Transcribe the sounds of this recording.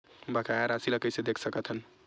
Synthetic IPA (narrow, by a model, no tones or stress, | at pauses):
bəkʰaaɾasiləkəjsed̪ekʰsəkət̪ʰɦən